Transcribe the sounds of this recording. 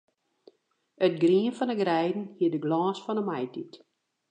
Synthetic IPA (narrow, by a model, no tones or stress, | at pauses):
ətɡriənfɔndəɡrɛjdn̩hiədəɡlɑːsfɔnəmajtit